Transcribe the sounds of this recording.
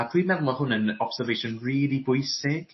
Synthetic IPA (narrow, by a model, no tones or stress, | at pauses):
adʰwimɛðlˠɔhʊnənɔpsɛrvejʃɔnriːlˠibʊjsɪɡ̥